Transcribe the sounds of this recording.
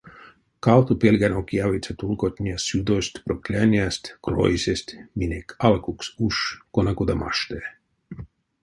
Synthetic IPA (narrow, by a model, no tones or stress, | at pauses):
kawt̪upelʲɡanokjavit̪sʲat̪ulˠkot̪ʲnʲiasjud̪osʲt̪ʲpɾoklʲanʲjast̪ʲkɾo̰jsʲesʲt̪ʲminʲekʰalkuksuʃkonakod̪ama̰ʃt̪ɛ